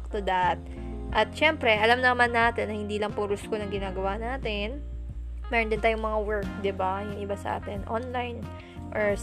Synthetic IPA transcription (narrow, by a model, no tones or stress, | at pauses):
k̚t̪ʊd̪at̪̚ | ʔɐt̪̚ʃɛmpɾɛʔɐlamnɐmanːaːt̪ɛnːɐhɪnd̪iːlɐŋpuɾʊskonɐŋɡɪnaːɡɐwanaːt̪ɪn | mɛːɾond̪ɪnaːjʊŋmɐŋawɛɹk̚d̪ɪbajʊŋʔɪbasɐ̰ʔa̰ːt̪ɛnʔonlajn | ʔoɹ